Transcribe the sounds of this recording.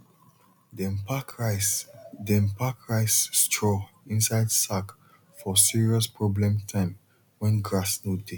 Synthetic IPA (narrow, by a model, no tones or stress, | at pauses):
dpakɹsdɛ̃mpakɹaɪsstʰɹɔ | ĩnsaɪdsak | fɔsiɹiɔspʰɹɔblɛ̃mtʰãɪ̃m | wɛ̃nɡɹasnude